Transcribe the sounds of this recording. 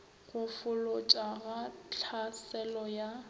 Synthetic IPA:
ɣʊfʊlʊt͡ʃʼaɣat͡ɬʰasɛlɔja

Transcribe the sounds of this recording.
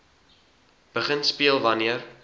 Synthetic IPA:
b̥əχənspiəlˠvɐniər

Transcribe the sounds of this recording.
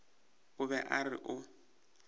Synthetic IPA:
ʊβɛʔarɪ̰ʔʊ

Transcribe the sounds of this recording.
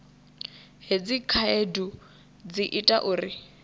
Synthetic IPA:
ɦed͡zikʰaedu | d͡ziʔitʼaʔuːri

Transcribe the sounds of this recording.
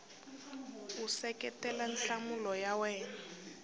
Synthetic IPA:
usɛkɛtɛlanɬamulɔjawɛːna

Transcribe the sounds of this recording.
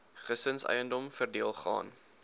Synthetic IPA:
χəsənsɛ̰jəndɔmfərdiəlˠχɑ̰ːn

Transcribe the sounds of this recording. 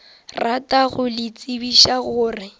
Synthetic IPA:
ratʼaɣʊlɪt͡sʼɪbiʃaɣʊːrɪ

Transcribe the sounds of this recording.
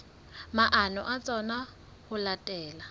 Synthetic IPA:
maʔanɔ̰ʔat͡sʼɔna | hʊlatʼɛːla

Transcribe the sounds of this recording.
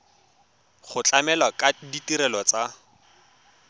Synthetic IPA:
χʊt͡ɬʼamɛlwakaditiɾɛlɔt͡sa

